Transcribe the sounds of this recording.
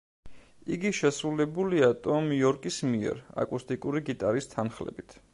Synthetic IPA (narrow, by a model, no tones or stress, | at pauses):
iɡiʃɛsɾulɛbuliat̪ʼɔmiɔɾkʼismiɛ̰ɾa̰kʼust̪ʼikʼuɾiɡit̪ʼaɾist̪ʰanχlɛ̰bit̪ʰ